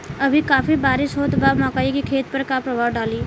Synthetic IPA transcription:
ɐbʱikaːpʰibaːɾɪʃɦoːt̪baːmãːkaːikikʰeːt̪̚pəɾkapɾɐbʱaːwɖaːliː

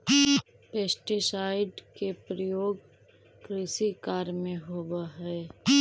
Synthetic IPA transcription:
peːsʈisaːɪɖkepɾəjoːɡ | kɾɪsikaːɾmẽɦoːwaɦɛː

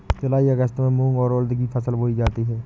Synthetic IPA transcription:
t͡ʃʊlaːiəɡəst̪mẽmũːŋɡɔːɾoːld̪ɡipʰəsəlboːid͡ʒaːt̪iɦɛː

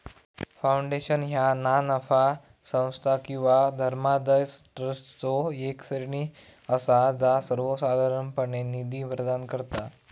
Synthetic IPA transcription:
fauɳɖeɕənɦjananəfa | sə̃w̃st̪ʰakĩw̃ʋad̪ʱəɾmad̪əjsʈɾəst͡soeksəɾɳiː | əsad͡zasəɾʋəsad̪ʱaɾəɳpəɳenid̪iːʋɾəd̪ankəɾt̪a

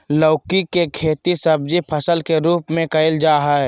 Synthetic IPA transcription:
ləːkikekʰeːt̪isɐb̚d͡ʒipʰəsəlkeɾuːpmẽkɐɪld͡ʒaːɦɛ

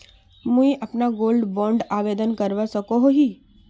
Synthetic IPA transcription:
mũiʔapnaɡolɖbɔ̃ɳɖaʋed̪ənkəɾʋasəkoɦoɦi

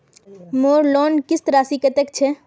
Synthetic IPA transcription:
moːɾlɔːnkɪst̪əɾaːsiket̪ek̚t͡ʃʰe

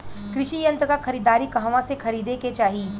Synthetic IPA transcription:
kɾɪʃijɐ̃nt̪ɾəkaxʰɐɾiːd̪aːɾikɐɦʋãsexʰɐɾiːd̪eket͡ʃaːɦiː

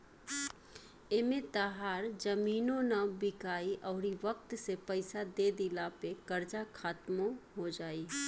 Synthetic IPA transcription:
emet̪aɦaːɾd͡ʒɐmiːnõnabɪkaːiʔɔːɾiʋək̚t̪sepɐɪsad̪eːd̪ɪlapekɐɾd͡ʒakʰaːt̪moɦod͡ʒaːi

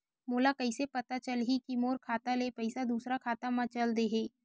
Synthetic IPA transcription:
moːlakɐɪsepɐt̪at͡ʃəlɦikimoːɾkʰaːt̪aleːpɐɪsad̪uːsɾakʰaːt̪amãt͡ʃəld̪eɦeː

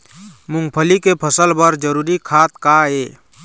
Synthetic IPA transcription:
mũŋɡpʰəlikepʰəsəlbəɾd͡ʒəɾuɾikʰat̪̚kae

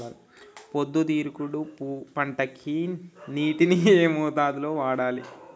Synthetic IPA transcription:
aːl | pod̪ːut̪iːɾukuɽupːpɐɳʈɐkʰiːnniːʈinieːmɔːt̪aːd̪ulo̞ːʋaːɽaːlḭ

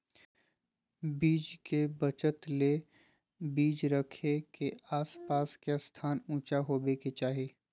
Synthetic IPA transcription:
biːd͡ʒkebət͡ʃət̪le | biːd͡ʒɾəkʰekeaːspaːskast̪ʰaːnũːt͡ʃaɦoːbeːket͡ʃaːɦieː

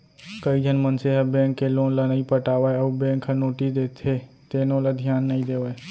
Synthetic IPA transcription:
kəid͡ʒʱənmənseɦəbɛ̃ːŋkːeloːnlənəipəʈaːʋaəubɛ̃ːŋkʰənoːʈisd̪eːt̪ʰe | t̪eːnolad̪ʱjaːnːəĩd̪eːʋae

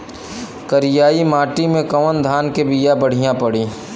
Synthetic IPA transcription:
kəɾɪjaːimaːʈimẽkɐʋənd̪ʱaːnkebijabɐɽ̤ijãpɐɽiː

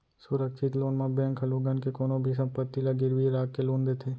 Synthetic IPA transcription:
sʊɾəkʃɪt̪loːnmãbɛ̃ːŋkʰəluːɡənkekoːnõbʱisɐ̃mpət̪ːilaɡɪɾʋiɾaːkkeloːnd̪et̪ʰeː

